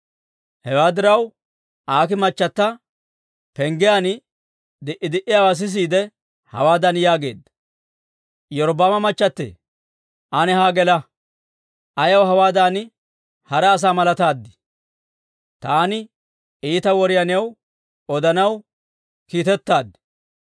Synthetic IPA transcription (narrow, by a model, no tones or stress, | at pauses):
hɛwaːd̪ɪɾɐw | aːkɪmɐt͡ʃːɐt̪ːɐ | pɛŋɡɪjan | d̪ɪʔɪd̪ɪʔɪjaːwas̬ɪs̬iːd̪ɛ | hɐ̰waːd̪ɐnjaːɡe̞̰ːd̪ːɐ | jɔɾbamɐmɐt͡ʃːɐt̪ːḛː | ʔɐnɛhaːɡɛlɐ | ʔɐjɐwɦɐwaːd̪an | hɐɾɛːs̬aːmɐlɐt̪aːd̪ːɪ̥ | t̪aːnɪ | iːt̪ɐwɔɾɪjɐnɪjɐw | ɔd̪ɐnɐw | kiːt̪ɛt̪ːaːd̪ɪ̥